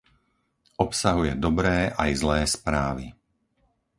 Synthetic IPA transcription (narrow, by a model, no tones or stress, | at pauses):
ʔɔpsaɦujɛd̪ɔbɾɛːʔajzlɛːspɾaːʋi